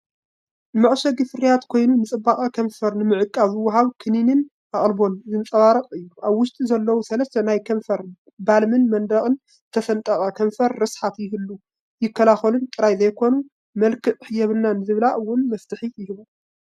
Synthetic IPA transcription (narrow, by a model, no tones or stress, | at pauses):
mɨʕʃɐɡɨfɨɾijat̪kʰo̞jnunɨt͡sʼɨbːaχʼakʰɐɱfɐɾnɨmɨʕɨkʼːazɨwːɐɦaβkʰɨninɨn | ʔaχʼlbo̞nɨzɨnɨt͡sʼɐβaɾɐqʼɨjːuʔaβwʊʃt̪ʼizɐlːɐwusɐlɐst̪ʰɐnajkʰɐɱfɐɾ | balmɨnmɐnd̪ɐkʼɨn | t̪ʰɐfɐnt̪ʼɐχʼɐkʰɐɱfɐɾːɨsħat̪jɪɦɨlːu | jɪkʰːɐlaxɐlunt̪ʼɨɾajzɐjkʰo̞nu | mɐlkʰɨʔħɨjɛβɨnːanɨzɨβɨlaʔɨwːʊnmɐft̪ʰɨħijɪhɨβu